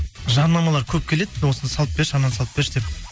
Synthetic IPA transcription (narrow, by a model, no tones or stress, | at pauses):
ʒɑɾnɑmɑlˠɑɾkʲʰɵp̚kʲʰe̞le̞d̪̚ɪwosənsɑl̚ˠbeʃɑnːɑnsɑlˠəbeʃd̪ep